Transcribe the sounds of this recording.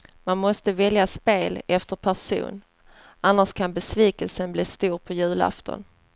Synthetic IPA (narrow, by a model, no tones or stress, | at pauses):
manmɔst̪əvɛljaspeːlɛft̪əɾpʰæʂṵːn | ʔanːaʂkʰanbɛsviːkəlsənbliːst̪uːɾpʰɔjʉ̟ːla̰ft̪ʰɔ̰n